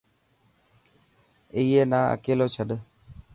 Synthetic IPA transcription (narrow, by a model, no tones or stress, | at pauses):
iːeːnaːʔə̰keːloːt͡ʃʰəɗ